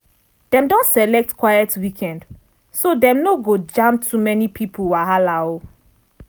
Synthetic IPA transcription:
d̥ɛ̃mdɔ̃ntsɛlɛk̚tkwajɛtwikʰɛ̃nd | sodɛ̃mnoɡod͡ʒãmtʰumɛnipʰipʰulwaɦalao

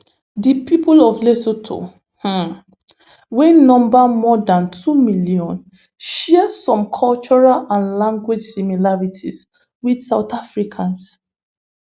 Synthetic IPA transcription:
dipipulɔvlesotʰo̰ | hã | wɛ̃nɔ̃mbamɔdãntʰumiljɔ̃n | ʃɛəsɔ̃mkʰɔlt͡ʃɔɹalãnlãŋɡwid͡ʒsimilaɹitʰis | widsaʊtafɹikʰãns

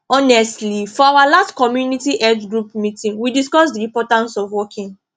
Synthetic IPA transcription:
ɔnɛstlifɔawalastkɔmjunitiʔɛd͡ʒɡɹupmitĩnwidiskɔsdiɹipɔtãnsɔvwɔkʰĩn

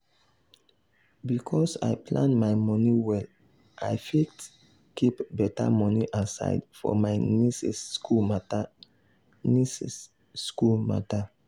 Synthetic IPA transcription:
bikʰɔsa̰ɪpʰlãnmaɪmɔniwɛl | ʔajfit | kipbɛta̰mɔniʔasa̰ɪdfɔ̰maɪnisɛskumat | nisɛs | skulma̰ta

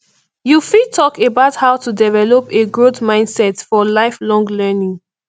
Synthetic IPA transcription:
jufid̚tʰɔkebaʊthaʊtudɛvɛlɔpeɡɹotmãɪ̃ndsɛtfɔlaɪflɔ̃ŋlɜnĩŋ

